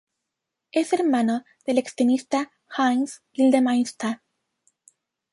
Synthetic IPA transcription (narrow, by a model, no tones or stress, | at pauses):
e̞se̞ɾmãno | ðe̞le̞kst̪ɾenist̪a | xans | ild̪emajst̪a